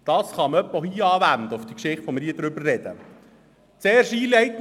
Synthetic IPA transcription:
d̥ɑːsχɑməœpːohiːɑːvænd̪əʊfd̥̪ikʃɪχtfɔmɾiːəd̥ɾʏbərrɛd̥ə̰ | t͡seːrʃiːlɛɪt̪

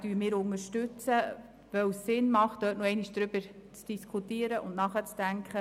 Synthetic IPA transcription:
d̥yːmɪːɾʊŋəɾʃtʏt͡sə | ʋœwsːɪnmɑχtːœːtnoɛɪniʃd̥ɾʏb̥əɾt͡sd̥iskʰutiəɾəʔʊ̰ndnɑχət͡sd̥æŋkχə

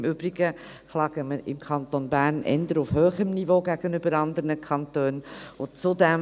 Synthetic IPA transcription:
mʏbɾiɡ̥ə | klɑːɡ̥əməɪ̰mkʰɑnt̪onbæːɾnʔɛ̰nd̪əɾʊfhøːχəmnivoɡ̥æɡ̥ənʏbəɾɑnd̪əɾnəkʰɑnt̪øːnʊt͡sʊd̪ɛm

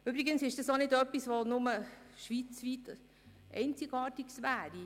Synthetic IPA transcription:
ybɾiɡənsɪʃd̥ɑsonɪdœpːisvʋonʊməʃʋiːt͡sʋiːt | ʔɛ̰ɪnt͡sɪɡɑːtiksʋæːɾi

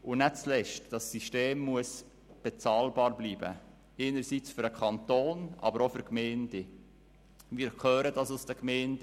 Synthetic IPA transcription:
ʊnɛt͡slɛʃtd̥ɑsːiʃteːmːuəs | b̥et͡sɑːlbɑːɾbliːbə̰ | eːnəɾsit͡sfʏɾəkʰɑnt̪oːnʔɑ̰bəɾɔfʏɾkmɛɪnd̥e | miːɾkχœːɾədɑsusdəkmɛɪnd̥

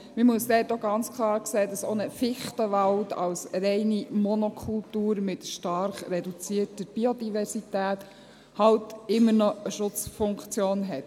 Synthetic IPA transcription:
mɪmuəsd̥̪ɛːtoɡɑnt͡skʰlˠɑːɾkseːdɑsonəfɪχtəʋɑltɑ̰wsɾɛɪnimɔnɔkʰultuːɾmɪtʃtɑɾχɾɛdut͡siːətəb̥iodivɛɾsitæːt | hɑwtɪmːəɾnɔəʃʊt͡sfʊŋkt͡sjoːnɦɛt

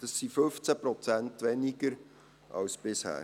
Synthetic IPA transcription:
d̥ɑsːifɵnft͡sæpɾɔt͡sæntʋɛniɡəɾ | ʔɑ̰wsb̥ɪshæ̰ː

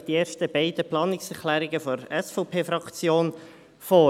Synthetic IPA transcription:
d̥ieːɾʃtəb̥ɛɪd̥̪əplɑːnɪksɛɾkʰlæːɾɪɡəfɔɾɛsfɔʊpʰeːfɾɑkt͡sjoːn | foː

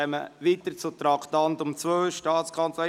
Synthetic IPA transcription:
ɛməʋiːt̪ət͡sʊt̪ɾɑkt̪ɑnt̪ʊmt͡svøːʃtɑːtt͡skʰɑnt͡slɛ

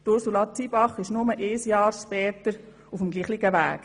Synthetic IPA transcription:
t̪ʊɾsulɑt͡sibɑχɪʃnʊməʔesjɑːɾʃpɛːt̪əɾ | ufəmɡliːχliɡəʋæ̰ːk

